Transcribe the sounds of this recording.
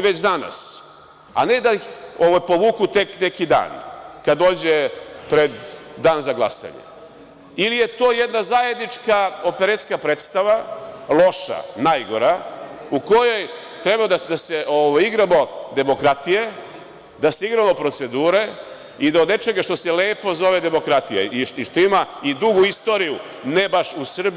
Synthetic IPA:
ʋet͡ɕd̪ana̰s | a̰ned̪aixoʋajpo̞ʋuːkut̪e̞kne̞kid̪a̰ːnkad̪o̞ːd͡ʑepɾed̪ːaːnzaɡlˠasa̰ɲḛ | ilije̞t̪o̞ːjed̪nazaːjed̪nit͡ʂkaopeɾet̪skapɾeːt̪st̪aʋalˠo̞ʃa̰najɡo̞ɾauko̞jo̞j | t̪ɾebad̪ad̪aseʔoʋajiɡɾamo̞d̪e̞mo̞kɾat̪ije | d̪aseiɡɾamo̞pɾo̞t̪se̞d̪uːɾe̞ | id̪aod̪ne̞t͡ʃe̞ɡaʃt̪o̞sele̞ːpo̞zo̞ʋe̞d̪e̞mo̞kɾat̪ijḛiiʃt̪o̞imaid̪uɡuist̪o̞ːɾiju | nebaʃusr̩b

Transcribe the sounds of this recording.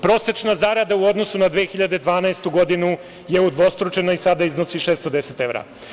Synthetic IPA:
pɾo̞set͡ʃnazaɾad̪auo̞d̪nosunad̪ʋexiʎad̪ed̪ʋaːnaest̪uɡo̞d̪inu | je̞ud̪ʋo̞st̪ɾut͡ʃe̞noisad̪aiznosiʃest̪o̞d̪eset̪evɾa̰

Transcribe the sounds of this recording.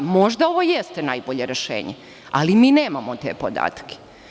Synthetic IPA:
mo̞ʒd̪aoʋojest̪enajboʎe̞ɾeʃḛːɲḛ | alimiːneːmamot̪ḛpod̪a̰ːt̪kʰe̥

